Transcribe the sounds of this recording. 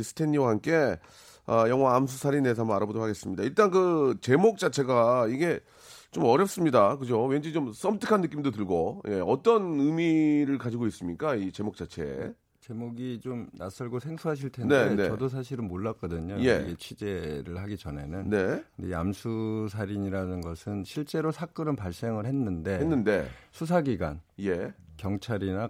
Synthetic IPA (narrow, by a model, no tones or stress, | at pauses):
sʰɯ̥tʰe̞ɲːiwahamk͈e̞ | ʌjʌŋwaːms̬ʰusʰaɾines̬ʰamaɾabodɾokhʰaɡe̞s͈ɯmɲidaiɭt͈ankɯt͡ɕe̞mok̚t͡ɕ͈at͡ɕʰe̞ɡaiɡe̞ | t͡ɕomʌɾjʌp̚s͈ɯmɲidakɯd͡ʑowend͡ʑit͡ɕoms͈ʌmtʰɯ̥kʰanːɯk͈imdotɯɭɡoje̞ʌt͈ʌnɯmiɾɯɭkad͡ʑiɡois͈ɯmɲik͈ait͡ɕe̞mok̚t͡ɕ͈at͡ɕʰe̞ | t͡ɕe̞moɡit͡ɕomnas͈ʌɭɡosʰe̞ŋsʰuɦaɕ̬ʰiɭtʰenneeneʌdos̬ʰaɕ̬ʰiɾɯnmoɭːak͈ʌdɯɲojeḭɡe̞t͡ɕʰɥid͡ʑe̞ɾɯɭhaɡit͡ɕʌne̞nɯnne̞ea̰msʰus̬ʰaɾiɲiɾanɯnɡʌsʰɯnɕʰiɭt͡ɕ͈e̞ɾosʰak͈ɯɾɯnpaɭs͈e̞ŋɯɭhe̞nːɯnde̞enːɯnde̞sʰus̬ʰaɡiɡa̰nje̞kjʌŋt͡ɕʰaɾina